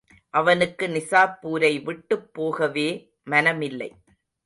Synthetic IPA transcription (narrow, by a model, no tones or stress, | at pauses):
ʔɐʋɐnɯkːɯnɪsaːpːuːɾɐɪʋɪʈːɯpːoːɣɐʋeː | mɐnɐmɪlːɐ̰ɪ